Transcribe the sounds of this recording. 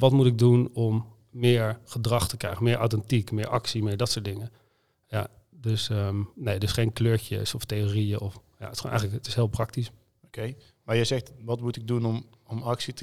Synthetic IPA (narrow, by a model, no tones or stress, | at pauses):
ʋɑtmutɪɡ̚dunɔmː | ɪːɹχədrɑχtəkrɛ̰jχəmɪːɹʔa̰wtɛntikmɪːɹʔɑksimɪːɹdɑtsʊːtdɪŋə | ja̰ | døsəmnejdəsχejnkløːɹtə̰sɔftejoːrijəʔɔfja̰tɪ̥sχo̰nɛ̰jxələkətɪ̥sɦɪːlˠprɑk̚tis | okej | maːɹjɛjzɛxtʋɑtmutɪɡ̚dunɔm | ɔmɑksitə